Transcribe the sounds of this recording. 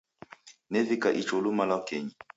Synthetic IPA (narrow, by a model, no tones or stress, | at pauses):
nɛvikaʔit͡ʃolumalakeɲi